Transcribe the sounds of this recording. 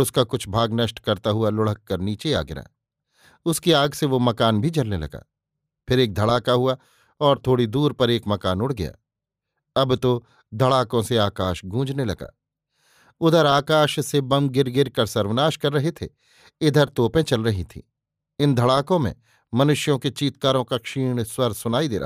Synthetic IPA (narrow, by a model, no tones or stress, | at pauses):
ʊskakʊt͡ʃʰbʱaːɡnɐʃʈkɐɾt̪aɦʊalʊɽ̤əkːɐɾniːt͡ʃea̰ːɡɪɾa̰ː | ʊskiaːɡseʋomɐkaːnbʱid͡ʒɐlnelɐ̰ɡa̰ː | pʰɪɾeːk̚d̪ʱɐɽaːkaɦʊa | ɔːɾt̪ʰoːɽid̪uːɾpɐɾeːkmɐkaːnʊɽɡɐja̰ː | ɐbt̪o | d̪ʱɐɽaːkõseaːkaːʃɡʱũːd͡ʒnelɐɡa̰ː | ʊd̪ʱəɾaːkaːʃsebɐmɡɪɾɡɪɾkɐɾsɐɾʋnaːʃkɐɾːɐɦet̪ʰe | ɪd̪ʱəɾt̪oːpẽt͡ʃɐlɾɐɦit̪ʰḭː | ɪnd̪ʱɐɽaːkõmḛ̃ | mɐnʊʃjõket͡ʃiːt̪̚kaːɾõkakʃiːɽ̃swɐɾsʊnaːid̪ḛːɾɐ̰